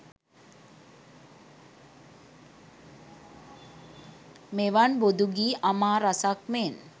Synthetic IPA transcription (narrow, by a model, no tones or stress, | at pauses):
meʋanbod̪uɡiːʔamaːɾasakmen